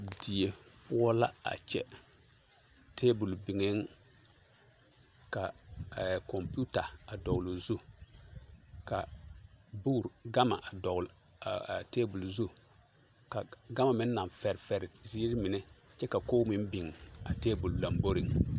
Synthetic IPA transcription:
i˨ti˨e˨pʊ˦ɔ˦la̰˦a̰˨t͡ʃɛ̰˦ | tʰeː˦bu˨lbi˨ŋe˦ŋ | ka˨ | kɔ˨mpu˦ta˨a˨dɔ˨ɣlu˨zu˦ | ka̰˨ | bu˦˨ɾɡa˦ma̰˨ʔa˨dɔ˨ɣl | teː˦bu˨lzu˦ | ka˨ɡa˦ma˨mɪ˦n˦na˨ɱfɛ˨ɾɪ˨fɛ˨ɾɪ˨zi˦ɾɪ˦mɪ˨nɛ˦t͡ʃɛ˦ka˨ko˦mɪ˦m˦bɪ˨ŋa̰˨teː˦bu˨lla˨mbo˦ɾi˨ŋ

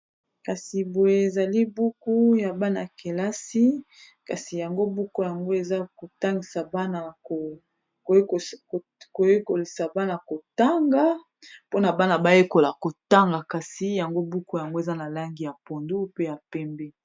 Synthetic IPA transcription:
ka˨si˨bo˨je˦e˨za˨li˦bu˦ku˦ja˨ba˦na̰˨ke˨la˦si˦ | ka̰˨si˨ja˨ŋɡo˦bu˦ku˦ja˨ŋɡo˦e˨za˦ko˨ta˦ŋɡi˨sa˨ba˦na˨o˨˦˨ | ko˨je˦ko˨li˨sa˨ba˦na˨ko˨ta˦ŋɡa˦ | po˦na˨ba˦na˨ba˦je˦ko˨la˨ko˨ta˦ŋɡa˨ka˨si˦ja˨ŋɡo˦bu˦ku˦ja˨ŋɡo˦e˨za˦na˨la˦ŋɡi˨ja˨po˨ndu˦pe˦ja˨pɛ˦mbɛ˦

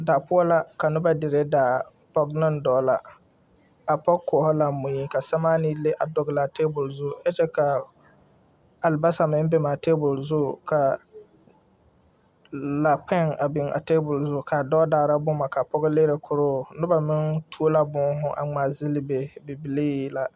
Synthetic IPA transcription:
da˨pʊ˦ɔ˦la˦ka˨nʊ˦ba˨dɪ˨ɾe˦daː˨ | pɔ˦ɡnɪ˦ndɔː˨˦la˨ | a˨pɔ˦kːɔ˨ɔ˨hɔ˦la˨˦mʊ̃˨ji˦ka˨sa˦maː˦ni˦lɪ˦ʔa˨dʊ˨ɡla˨teː˦bʊ˨lzʊ˦ɛ˦t͡ʃɛ˦ka˨ | a˨lba˦sa˨mɪ̃˦m˦bɛ˦maː˨teː˦bʊ˨lzʊ˦kʰa˨ | la˨k͡pʰɛ˦ŋa˨bɪ˨ŋa̰˨teː˦bʊ˨lzʊ˦˨kʰa˨dɔ˦daː˨ɾa˦bʊ˦ma˨ka˨pɔ˦ɡɪ˦leː˦ɾe˨kʰʊ˨ɾʊː˦nʊ˦ba˨mɪ˦ŋtʰu˦o˦la˦bʊ˦ŋ˦ɦʊ˦ʔa̰˨ŋ͡ma˨zɪ˦lɪ˦be˨bɪ˨bi˨li˦ji˦la˨

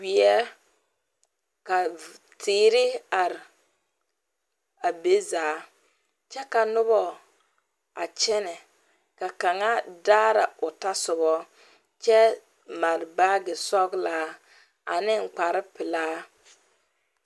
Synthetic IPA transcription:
wi˨ɛ˦ | ka˨ | tʰɪː˨˦ɾɪ˦a˨ɾɪ˨ | a˨be˦zaː˨˦ | t͡ʃɛ˦ka˨nʊ˦βɔ˨ | a̰˨t͡ʃɛ˦nɛ˨ | ka˨ka˨ŋa˦daː˦ɾa˨ʊ˨ta˦sʊ˨bɔ˦ | t͡ʃɛ˦ | ma˨ɾbaː˦ɡɪ˨sɔ˦ɡlaː˨˦ | a̰˨nɪ˦ŋ͡m̩˨k͡pa˨ɾɪ˦pɪ˨laː˦

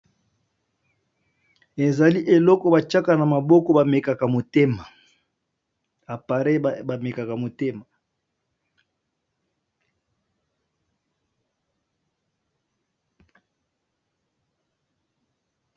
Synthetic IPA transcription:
e˨za˨li˦ʔe˨lɔ˦kɔ˦ba˨t͡ʃa˦ka˨na˨ma˨bɔ˦kɔ˦ba˨me˨ka˨ka˨mo˨te˦ma˨ | a˨pa˨ʁe˦ba˨me˨ka˨ka˨mo˨te˦ma˨

